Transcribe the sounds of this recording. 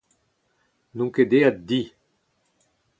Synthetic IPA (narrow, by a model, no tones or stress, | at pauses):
nũŋked̪ead̪i